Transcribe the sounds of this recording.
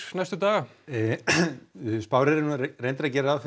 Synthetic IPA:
najst̪ʏt̪aːɣa | spaːwɾɛɾɪnrejnɾacɛːɾɪaθ

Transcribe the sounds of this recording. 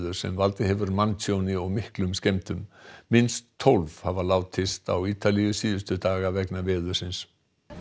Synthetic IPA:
ðʏɾ̥sɛ̰mvalt̪ɪɦɛvʏɾmansjownɪɔɣmɪhklʏmscejmt̪ʏmːɪnst̪ʰːowlvhavalaːwt̪ʰɪst̪a̰wiːt̪alijʏsiːðʏst̪ʏt̪aːɣavɛknavɛːðʏɾ̥sɪns

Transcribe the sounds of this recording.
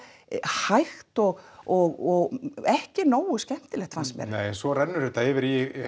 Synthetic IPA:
hajxt̪ɔɣɔɣɔɣɛhcɪnoːwʏscɛm̥t̪ɪlɛxt̪fansmjɛ̰ɾnejɛnsɔɾɛnːʏɾɛt̪aɪvɪɾi

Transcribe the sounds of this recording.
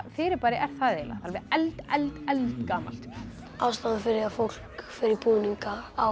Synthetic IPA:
fɪːɾɪɾpaːɾɪʔɛɾ̥θaðejla̰θʰalvɪɛlt̪ɛlt̪ɛlt̪kaːma̰l̥t̪ | aːwst̪aːðafɪɾɪafowl̥kfɪɾɪɾɪɾpuːniŋkaːw

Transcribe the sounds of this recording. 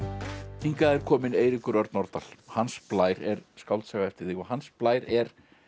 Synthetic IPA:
iŋkaɛɾ̥kʰɔːmɪneːjɾɪkʏɾœɾt̪nɔɾt̪alhansplaːjɾɛɾskawlt̪sɛɣaɛft̪ɪɾðɪkvaɦansplaːjɾɛɾ̥

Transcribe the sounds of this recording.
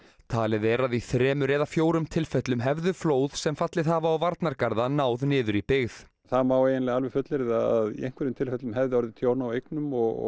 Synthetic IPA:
t̪ʰaːlɪðɛɾaðiθɾɛːmʏɾɛːðafjoːwɾʏmt̪ʰɪlfɛt̪lʏmɦɛvðʏfloːwð̥sɛmfat̪lɪðhaːvaːwvaɾt̪naɾkaɾðanaːwðnɪːðʏɾipɪɣð | θamaweːjɪnlɛɣalvɛfʏt̪lɪɾɪðaaðiejŋ̥kvɛɾɪmt̪ʰɪlfɛt̪lʏmhɛvðɪɔɾðɪt̪ʰjoːwɾnaːwejknʏmɔɣ̰

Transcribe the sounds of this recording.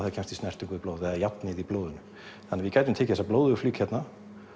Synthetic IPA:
ɛðacʰɛ̃nmst̪istnɛr̥t̪ʏŋkvɪðplowðɛðajat̪nɪðiploːwðʏnʏ | θanːavɪkajt̪ʏmnt̪ʰeːcɪθɛsaploːwðʏflyːkhɛt̪na

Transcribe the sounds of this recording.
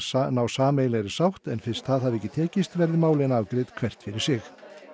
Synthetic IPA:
nawsaːmeːjlɛɾɪ̥sawht̪ɛnfɪ̥st̪θaðhavɛcːɪt̪ʰɛːcɪst̪vɛɾðɪmaːwlɪnaːvkɾeːt̪kʰv̥ɛr̥t̪fɪɾɪɾ̥sɪx

